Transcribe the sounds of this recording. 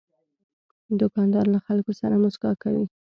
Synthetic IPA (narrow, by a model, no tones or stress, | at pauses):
d̪ʊkɑnd̪ɑɾlaxalkosaɾamʊsɡɑkawi